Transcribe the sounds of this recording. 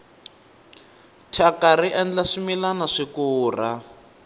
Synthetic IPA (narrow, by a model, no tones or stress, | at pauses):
tʰakaɾiʔand͡ɮaʂimilanaʂikuːr̤a